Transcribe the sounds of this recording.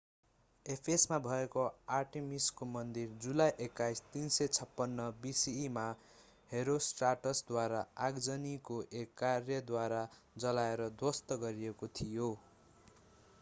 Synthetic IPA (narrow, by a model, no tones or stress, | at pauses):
epʰesmabʱʌekoarʈemiskomʌnd̪ird͡zulajʔekːajst̪insʌt͡sʰʌpːʌnːʌbisiːma | heɾosʈraʈʌsd̪waɾaaɡd͡zʌnikoʔekːarjʌd̪waɾa | d͡zʌlaeɾʌd̪wʌst̪ʌɡʌɾiekot̪ʰijo